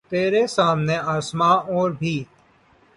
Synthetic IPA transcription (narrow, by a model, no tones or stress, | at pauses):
t̪eːɾesaːmneaːsmãːɔːɾbʱiː